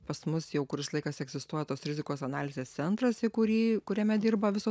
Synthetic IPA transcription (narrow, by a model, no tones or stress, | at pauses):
pɐsmʊsjɛʊkʊɾʲɪslˠɐɪkɐsɛɡzʲɪst̪uɔjɛt̪oːsɾʲɪzʲɪkoːsɐnɑːlʲɪzʲeːst̪sʲɛnt̪ɾɐsɪkʊɾʲiːkʊɾʲɛmʲɛd̪ʲiːrbɐʋʲɪsoː